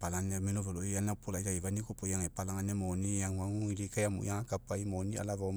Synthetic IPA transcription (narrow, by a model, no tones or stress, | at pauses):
palanɛminovɛloijanapolaizaivanikopojaŋɛpalaŋanɛmɔnijaŋwaŋuilikajamṵjaŋakapaimonia̰lava